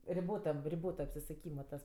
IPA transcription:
rʲɪˈboːtɐm rʲɪˈboːtɐ ɐpʲsʲɪsʊˈkʲiːmɐ tɐs

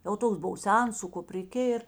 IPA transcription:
jɛʊ ˈtoːks ˈbʊʋoː ˈsʲɛns sʊ kʊpʲrʲɪˈkʲeː ɪr

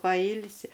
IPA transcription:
pɐˈiːlʲsʲɪ

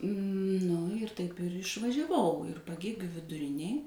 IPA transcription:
ˈnʊ ɪr tɐɪp ɪr ɪʃʋɐˈʒʲæːʋɐʊ ɪr pɐˈɡʲeːɡʲuː ʋʲɪdʊˈrʲɪnʲeːj

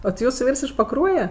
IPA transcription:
oː tʲɪ ˈjuːsʊ ˈʋʲiːrs ɪʃ pɐˈkruɔjɛ

